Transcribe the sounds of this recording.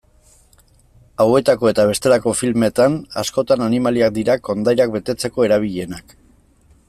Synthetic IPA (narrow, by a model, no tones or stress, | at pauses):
awe̞t̪ako̞e̞t̪aβ̞e̞st̪e̞lako̞filme̞t̪anasko̞t̪ananimaliak̚d̪iɾako̞nd̪ajɾakbe̞t̪e̞t͡se̞ko̞e̞ɾaβ̞iʎe̞nak